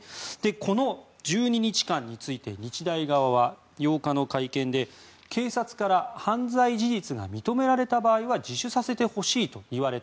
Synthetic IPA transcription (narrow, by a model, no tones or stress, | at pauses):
d̪̥e̞kʰo̞no̞ | d͡ʑɨːɲ̟iɲ̟it͡ɕi̥kãɲ̟ːit͡sɨit̪e̞ɲ̟it͡ɕid̪aiɡaβaβa | jo̞ːkano̞kaikẽ̞nd̪e̞ | kʰe̞ːsat͡sɨ̥kaɾahãnd͡zaiʑiʑit͡sɨɡa̰mʲit̪o̞me̞ɾaɾe̞t̪abaːiβad͡ʑiɕɨsase̞t̪e̞ho̞ɕiːt̪o̞iβ̞aɾe̞t̪